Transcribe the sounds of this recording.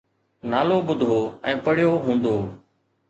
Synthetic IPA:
naːloːɓʊd̪ʱoːɛ̃ːpəɽjoːɦũːnd̪oː

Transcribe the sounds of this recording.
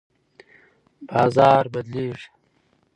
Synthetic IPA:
b̥ɑːzɑːɾbɐd̪liːʐ

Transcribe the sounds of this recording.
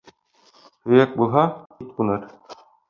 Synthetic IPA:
hɵ̆jæk̚bulˠɦɑit̪̚qunɤɾ

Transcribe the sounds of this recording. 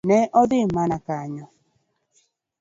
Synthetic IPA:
nɛʔɔðɪmanakaɲɔ

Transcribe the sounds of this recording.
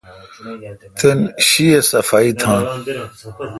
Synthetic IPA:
t̪enɕiesɐfaːit̪ʰãː

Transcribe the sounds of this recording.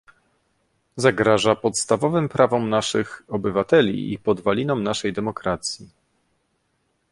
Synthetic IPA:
zaɡɾaʐapɔt̪st̪avɔvɘmpɾʔavɔmnaʂɘxɔbɘvat̪ɛlʲḭḭpɔd̪valʲinɔmnaʂɛjd̪ɛmɔkɾat̪sʲji

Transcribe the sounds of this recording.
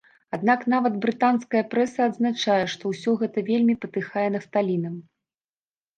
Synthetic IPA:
ad̪naknavɐd̪bɾɨt̪anskɐjɐpɾɛsɐːd̪znat͡ʂajɛʂt̪ɔwsʲɔɣɛt̪ɐvʲelʲmʲipɐt̪ɨxajɛnɐst̪alʲinɐm

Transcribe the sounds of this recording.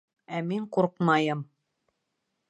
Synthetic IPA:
æmiɴquɾqmɑjɤm

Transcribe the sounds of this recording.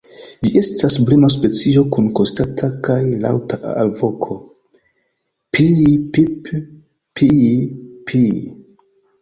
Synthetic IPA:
d͡ʒiʔe̞stasblenas̬pe̞t͡sio̞kunkostatʰakajla̰wtʰaʔalvo̞kʰo̞ | pʰipip | pʰi | pʰi

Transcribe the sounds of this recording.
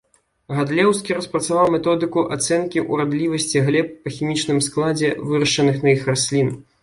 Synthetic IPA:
ɣad̪lʲɛwskʲiɾɐspɾɐt̪savawmʲɛt̪ɔd̪ɨkuʔat̪sɛnkʲiʔuɾad̪lʲivɐsʲt͡sʲiɣlʲɛp̚ːɐxʲimʲit͡ʂnɨmsklˠad͡zʲɛvɨɾɐʂt͡ʂɐnɨxnɐixrasʲlʲin

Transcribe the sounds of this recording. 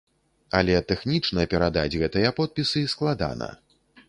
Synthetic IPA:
ɐlʲɛt̪ɛxnʲit͡ʂnɐpʲɛɾad̪ad͡zʲɣɛt̪ɨjɐpɔt̪̚pʲisɨsklˠad̪a̰nɐ̰

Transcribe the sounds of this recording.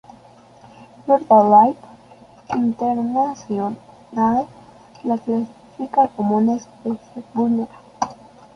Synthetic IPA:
noɾdalajp | inteɾnasion | nal | laklasi̥fikakomunaspesebuna

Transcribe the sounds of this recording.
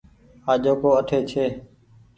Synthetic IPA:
aːd͡ʒoːkoːəʈʰeːt͡ʃʰeː

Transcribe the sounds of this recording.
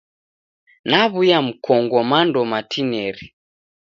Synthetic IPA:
naβujam̩kʰɔŋɡɔmandɔmatʰinɛɾi

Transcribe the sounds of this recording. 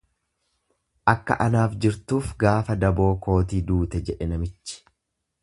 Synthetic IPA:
ʔɐkːɐ̰ʔɐnaːfd͡ʒɪɾt̪uːfɡaːfɐd̪ɐbo̞ːko̞ːt̪iːd̪uːt̪ɛd͡ʒɛᶑɛnɐmɪt͡ʃːɪ̥

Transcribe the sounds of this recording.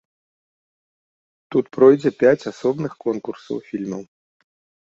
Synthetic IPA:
t̪ut̪pɾɔjd͡zʲɛpʲat͡sʲasɔbnɨxkɔnkursɐ̰wfʲilʲmɐw

